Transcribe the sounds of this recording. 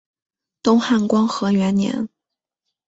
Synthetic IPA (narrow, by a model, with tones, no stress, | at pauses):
t̪ʊ˥ŋxa˥˩nkwɑ˥ŋxɤ˧˥ɥɛ˧˥nnjɛ̰˧˥n